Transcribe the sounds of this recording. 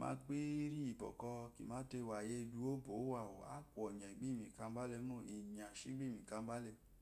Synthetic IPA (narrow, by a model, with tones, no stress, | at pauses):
mã̰˦k͡pi˦ɾi˦i˨bɔ̰˨kɔ˧kḭ˨mã˦te˧˨wa˨je˧du˧˦o˦bo˨˦wa˨wo˨a̰˦kʷɔ˨ɲã˨i˨ɡ͡bi˦˨mĩ˨ka˧˦ba˦le˧˦nõ˦˨e˨ɲ˨a˨ʃi˦ɡ͡bi˦˨mĩ˨ka˧m˦ba˦le˧